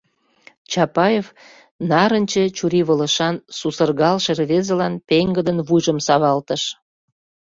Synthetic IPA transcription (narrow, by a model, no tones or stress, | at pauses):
t͡ɕɑpɑjef | nɑɾənʲt͡ɕet͡ɕuɾiβələ̆ʃɑnsusərɣɑlʃerβezelɑnpeŋɡəd̪ənβujʒəmsɑβɑlt̪əʃ